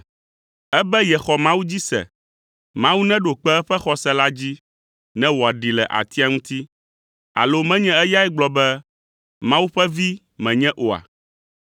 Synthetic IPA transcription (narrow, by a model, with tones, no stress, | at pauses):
ɛ˦bɛ˦jɛ˨xɔ˨mã˦wu˦d͡ʑi˦sɛ̰˨ | mã˦wu˦nɛ̃˦ɖo˨k͡pɛ˦ɛ˦ɸɛ˦xɔ˨sɛ˦la˦d͡ʑi˦ | nɛ̃˦wo˨a˨ɖi˨lɛ̰˨ʔa̰˨t̪i˦a˦ŋũ˦t̪i˦ | a̰˨lo˦mɛ̃˦ɲɛ̃˦ɛ˦ja˦ɛ˦ɡ͡blɔ˨bɛ˦ | mã˦wu˦ɸɛ˦vi˦ | mɛ̃˨ɲɛ̃˦ʔo˨a̰˨